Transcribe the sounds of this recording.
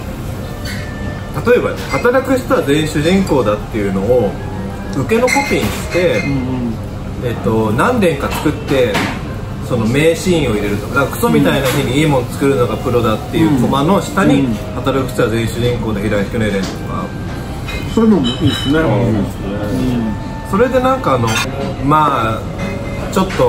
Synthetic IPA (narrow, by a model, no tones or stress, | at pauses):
t̪at̪o̞e̞ba | hat̪aɾakɯ̟ɕi̥t̪aβazẽ̞ɰ̃ɕɨʑĩŋko̞ːd̪at̪ːe̞jɯ̟no̞ː | ɯ̟ke̞no̞ko̞pʲĩɲːiɕi̥t̪e̞ | et̪ːo̞nãnd̪ẽ̞ŋkat͡sɨ̥kɯ̟t̪ːe̞ | so̞no̞me̞ːɕĩĩo̞iɾe̞ɾɯ̟t̪o̞kanakakɯ̟̥so̞mʲit̪ainaçiɲ̟iiːmõ̞nt͡sɨ̥kɯɾɯ̟nːoɡapɯ̟ɾo̞d̪at̪ːe̞jɯ̟ːkomano̞ɕi̥t̪aɲ̟ihat̪aɾɯkɯ̟̥t͡ɕaazẽ̞ɰ̃ɕɨʑĩŋko̞ːd̪eçiɾait̪kɯneɾẽnt̪o̞ka̰ | soɯnomoisnes | e | so̞ɾe̞d̪e̞nãŋkaːno̞maː | t͡ɕo̞t̪ːo̞